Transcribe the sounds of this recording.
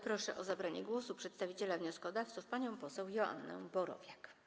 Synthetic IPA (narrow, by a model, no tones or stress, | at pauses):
pɾɔʂɛʔɔzabɾaɲɛɡwɔsupʂɛt̪st̪avʲit͡ɕɛlavɲɔskɔd̪aft̪sɔ̃fpaɲɔ̃w̃pɔsɛwjɔʔa̰nːɛ̰̃bɔɾɔ̰vʲjak